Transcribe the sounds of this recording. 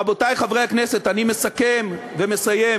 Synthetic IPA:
abotajχavʁejhaknese̞t̪anime̞sakem | veme̞saje

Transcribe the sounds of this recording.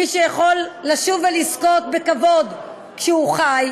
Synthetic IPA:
iʃejaχolːaʃuvelisko̞t̪̚bekavo̞d̪ | kʃɛuχaj

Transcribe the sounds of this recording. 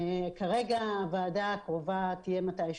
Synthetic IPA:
kaʁeɡaːvaːdaːkʁovat̪ijemat̪ajʃ

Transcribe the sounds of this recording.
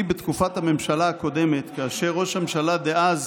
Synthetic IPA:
ibet̪kufathame̞mʃalaːko̞de̞me̞t̪kaːʃeʁo̞ʃhamʃalad̪eʔaz

